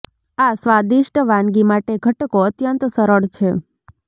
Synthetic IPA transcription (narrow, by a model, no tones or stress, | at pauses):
asʋad̪iʃʈəʋãnɡimaʈeɡʱəʈkoət̪jənt̪səɾəɽt͡ʃʰe